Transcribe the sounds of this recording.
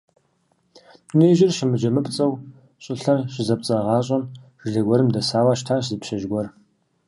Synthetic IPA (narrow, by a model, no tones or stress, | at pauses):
neːʒɪrʃɪmɨd͡ʒɐmɨpt͡sʼɐw | ɕʼɪɬɐrɕɪzɐp̚t͡sʼɐʁɑːɕʼɐnʒ̥ɮɐɡʷɔɾɨmdɐsaːwaːʃtʰaːɕzɨpʃɐʒɡʷɔr